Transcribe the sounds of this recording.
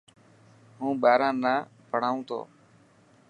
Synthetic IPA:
ɦũːɓaːɾãːnaːpəɽ̤aːũːt̪ʰo̰ː

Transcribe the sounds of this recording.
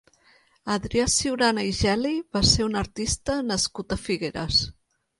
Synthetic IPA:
əðɾiasiwɾanaiʒɛliβaseunəɾt̪ist̪ənəskut̪əfiɣeɾə̰s

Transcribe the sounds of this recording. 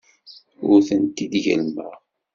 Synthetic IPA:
ʊɾθənt̪id̪ʝə̰lməʁ

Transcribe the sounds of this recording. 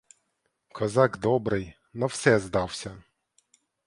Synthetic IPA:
kʰɔzɑɡd̪ɔbɾɪj | nɐwsɛzd̪ɑwsʲɐ

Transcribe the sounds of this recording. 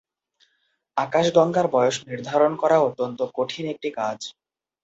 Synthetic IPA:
akaʃɡɔŋɡaɾbɔjoʃniɾd̪ʱaɾonkɔɾaot̪ːont̪okoʈʰinek̚ʈikad͡ʑ

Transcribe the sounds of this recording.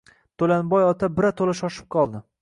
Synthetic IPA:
t̪ʰolanbɒjɒt̪ʰabɪɾat̪ʰolaʃɒʃɪ̥p̚qʰɒlˠd̪ɪ

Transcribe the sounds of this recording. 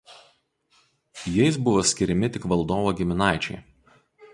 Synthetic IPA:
jɛɪs̬bʊʋoːsʲkʲɪɾʲɪmʲɪt̪ʲɪkʋɐlˠd̪oːʋoːɡʲɪmʲɪnɑˑɪt͡ʃʲɛ̰ɪ

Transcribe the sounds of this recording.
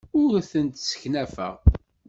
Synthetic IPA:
ʊɾθənt̪sə̥çnæfə̰ʁ

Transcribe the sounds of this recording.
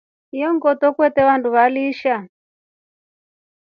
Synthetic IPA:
ijɔŋɡɔtɔkwɛtɛʋantʰuʋaliʃa

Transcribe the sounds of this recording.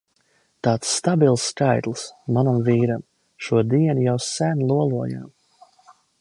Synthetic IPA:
t̪aːt̪sːt̪abilˠsːkajt̪lˠsmanamviːɾam | ʃuɔd̪iɛnjawsænlˠuɔlˠuɔja̰m

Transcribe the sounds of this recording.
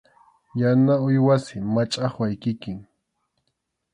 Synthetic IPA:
janaʊjwasɪmat͡ʃʼaχwajkɪkɪŋ

